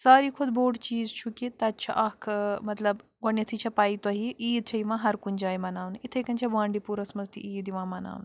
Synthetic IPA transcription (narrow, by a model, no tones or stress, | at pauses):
saːɾiːkʰud̪boːʈt͡ʃiːzt͡ʃʰukit̪ɐtt͡ʃʰɐ̰ʔɐkʰmɐt̪lɐbɡɔnjɐt̪ʰit͡ʃʰɐpaːit̪ɐɦiʔiːd̪̚t͡ʃʰɐiʋãːɦɐɾkunʲd͡ʒaːjmɐnaːʋnit̪ʰɐjkɐnʲt͡ʃʰɐbãːɳɖipuɾɐsmɐzt̪ḭʔiːd̪iʋãːmɐna̰ːʋn